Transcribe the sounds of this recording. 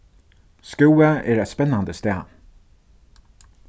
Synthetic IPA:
skuːəʔeːɾæɪt̪spɛnɑnd̪əst̪eː

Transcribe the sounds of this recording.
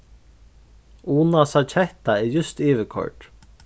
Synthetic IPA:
uːnasat͡ʃʰɛht̪aɛɾjʏst̪iːʋɪkʰɔ̰ɹʈ

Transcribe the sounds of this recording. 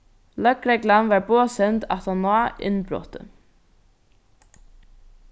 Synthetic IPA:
lœkɾɛɡlanʋaɹboːsɛnt̪a̰t̪anaːɪ̰nbɾɔ̰ːt̪ə̰

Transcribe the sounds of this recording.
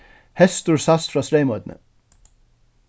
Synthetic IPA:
hɛst̪ʊɹsasfɾɑːst̪ɾeɪmɔt̪nə̰

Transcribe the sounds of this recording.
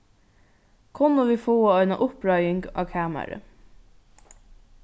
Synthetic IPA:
kʰʊnəʋiːfoːaɔɪnaʔʊpɾɑjɪŋɡa̰ːkʰaːma̰ɾə̰

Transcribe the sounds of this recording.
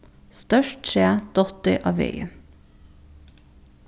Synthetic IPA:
st̪œʃʈʃɾeːd̪̥ɔt̪œʔɑʋœ̰ə̰n

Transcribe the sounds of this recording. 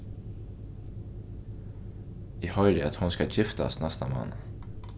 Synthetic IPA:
iːhœʏɾɪɑt̪hʊnskɑçɪft̪ɑ̰snɛst̪əmɑ̰n

